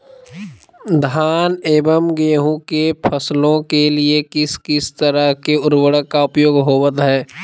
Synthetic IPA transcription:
d̪ʱaːneːbəmɡeːɦũkepʰəslõkeliekɪskɪst̪əɾəɦkeʊɾwəɽəːaʊpjoːɡɦoːwət̪ɦɛː

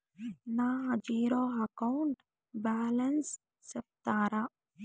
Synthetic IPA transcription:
naːɦd͡ʒiːɾoːɦɐkowɳʈ | baːlɐns | sɐp̚t̪aːɾa

